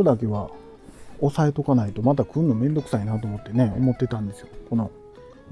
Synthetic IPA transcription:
od̪ake̞βa | osae̞t̪o̞kanait̪o̞mat̪akɯ̟̃nːomẽ̞nd̪o̞kɯ̟̥sainat̪oːmo̞t̪ːe̞ne̞o̰mo̞t̪ːe̞t̪ãnd̪e̞sɨjoko̞no̞

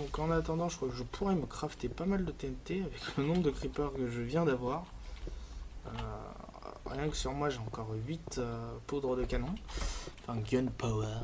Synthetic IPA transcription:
d̪ɔ̃kɑ̃nat̪ɑ̃d̪ɑ̃ʒəkχwakəʒəpʰuʁɛməkχaft̪epamald̪ət̪ɛɛnt̪eavɛklənɔ̃bʁəd̪əkχipœʁkəʒəvjɛ̃d̪avwaʁ | ø̰ | ʁjɛ̃kə̥syʁmwaʒeɑ̃kɔʁɥit̪øpud̪ʁəd̪əkanɔ̃ɑ̃fɛ̃ɡjɔnpawɛ

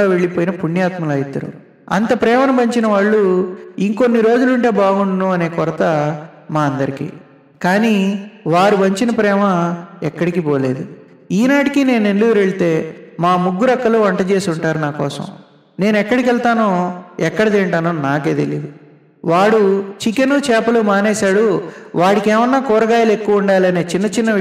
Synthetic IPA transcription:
aːʋe̞ɭːipoːjinɐpuɳːjaːt̪mɐlɐjit̪ːɐɾṵ | ɐ̰nt̪ɐpɾɛːmɐnɐbɐɲt͡ʃinɐʋaːɭːuiŋko̞nːiɾo̞ːd͡ʒuluɳʈe̞ːbaːɡuɳɖɐnuɐne̞ːkɔɾɐt̪ɐ | maːɐnd̪ɐɾikḭ | kaːniːʋaːɾubɐɲt͡ʃinɐpɾɛːmɐɛkːɐɽikipoːle̞ːd̪u | iːnaːʈikine̞ːnuenluɡuɾeɭit̪e̞ːmaːmuɡːuɾɐkːɐluːʋɐɳʈɐt͡ʃe̞ːsuɳʈaːɾunaːkɔːsɐ̰m | ne̞ːnɛkːɐɽikɛɭt̪aːnoɛkːɐɽɐd̪eːɳʈaːnonaːkeːt̪elḭd̪u | ʋaːɽut͡ʃikɐnut͡ʃɛːpɐlumaːnɛːsaːɽuʋaːɽikɛːʋɐnːaːkɔːɾɐɡaːjɐle̞kːuʋuɳɖaːliɐne̞ːt͡ʃinːɐt͡ʃinːɐ

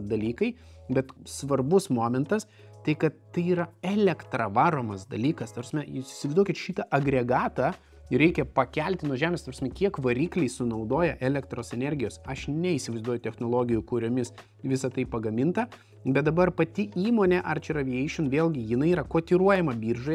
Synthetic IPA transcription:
d̪ɐlʲiːkɐɪ | bʲɛt̪sʋɐrbʊsmoːmʲɛnt̪ɐs | t̪ɐɪkɐt̪tɐɪiːɾɐɛlʲɛkt̪ɾɐʋɑːɾoːmɐsd̪ɐlʲiːkɐst̪ɐpɾɐsmʲɛjsɪ̥sʲɪʋɐɪzd̪uɔkʲɪt̪ʃʲiːt̪ɐʔɐɡɾʲɛɡɑːt̪ɐː | ɾʲɛɪkʲɛpɐkʲɛlʲt̪ʲɪnuɔʒʲæːmʲeːst̪ɐpɾsmʲɛkʲiɛkʋɐɾʲiːklʲɛɪsʊnɐʊd̪oːjɛʔɛlʲɛkt̪ɾoːsɛnʲɛɾʲɡʲɪjoːsɐʃnʲɛiːsʲɪʋɐɪzd̪uɔjʊt̪ʲɛxnoːlˠoːɡʲɪjʊkʊɾʲoːmʲɪs | ʋʲɪsɐt̪ɐɪpɐɡɐmʲɪnt̪ɐ | bʲɛt̪̚d̪ɐbɐrpɐt̪ʲɪiːmoːnʲɛʔɐrt͡ʃʲɛrɐʋʲiɛɪʃʲʊnʋʲeːlʲˠɡʲɪjɪnɐɪiːɾɐkoːt̪ʲiɾuɔjɛmɐbʲiːrʒoj

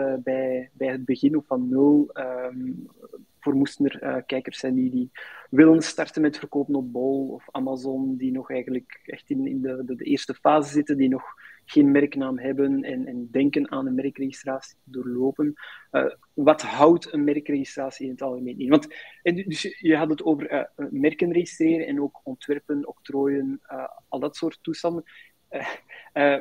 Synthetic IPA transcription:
bɛjbɛjɦəd̚bəɣɪnɔffɑnːʏlˠəm | voːrmustənərə̰ːkɛjkərsɛndidiʋɪlənstɑrtənmɛtfərkoːpənɔp̚bɔlˠɔ̰famazɔndinɔxɛːjɣəndləkɛ̰xtɪnɪ̰ndəədəʔeːrstəfaːzəzɪtəndinɔxɣeːnmɛrknaːmɦɛbənɛnɛndɛŋkənaːnənmɛrkreːɣistraːsi̥doːrloːpənə̰ː | ʋɑtɦʌwtənmɛrkreːɣistraːsiɪnətɑlˠɣəmeːnɪnʋɑntɛdʏsjəɦɑtətoːvərə̰mɛrkənreːɣɪstreːɾənɛnoːkɔntʋɛrpənoktroːjənəɑlˠdɑtsoːrtːustɑmən

